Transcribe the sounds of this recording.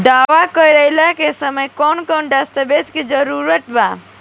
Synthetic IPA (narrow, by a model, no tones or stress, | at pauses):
d̪aʋakəɾəɪlakesəməjkɔnkɔnɖ̪əst̪əbed͡ʒked͡ʒəɾuɾət̪ba